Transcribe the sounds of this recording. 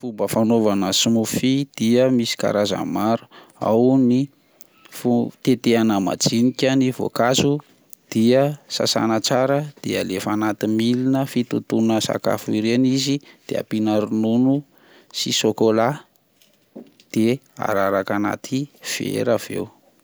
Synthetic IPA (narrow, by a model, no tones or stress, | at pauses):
fubəfanovanəsimufid̪̥iəmisi̥ka̰ɾazə̰maɾu̥a̰wni | fut̪et̪eanəma̰d͡zinikʲənivo̰kazu | d̪̥iəsa̰sa̰nət͡saɾəd̪̥eəlefanat̪imilinəfit̪ut̪unəsa̰ka̰fuiɾenizid̪̥ea̰pinaɾununu | sisokola | d̪̥ea̰ɾaɾakana̰t̪ʰiv̥ḛɾav̥ḛw